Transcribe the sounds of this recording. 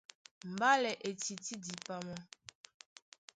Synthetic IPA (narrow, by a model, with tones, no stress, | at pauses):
m̩˨ba˦lɛ˨ʔe˨ti˨ti˦di˨pa˦mɔ˦